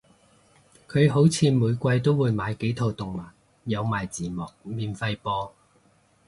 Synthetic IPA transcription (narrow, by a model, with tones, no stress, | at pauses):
kʰɵ˨˧ɥɦo˨˥wt͡sʰiː˨˧muː˨˧jkʷɐ˧jt̪o˥wwuː˨˧jmaː˨˧jke˨˥jt̪ʰo˨˧wt̪ʊ˨ŋmaː˨˩n̚ | jɐ˨˧wmaː˨˩jt͡siː˨˩mɔː˨k̚miː˨nfɐ˧jpɔː˧